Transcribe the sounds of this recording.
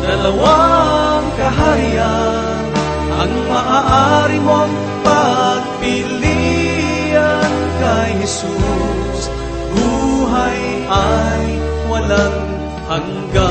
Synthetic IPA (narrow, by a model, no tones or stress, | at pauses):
dɐlawaŋkɐɦaja | n | ʔɐ̰ŋmaʔaʔaɾɪmoŋ | pɐɡ̚pɪli | an | kɐjhɛsu | s | duːɦaj | aj | wɐlan | haŋ | ɡa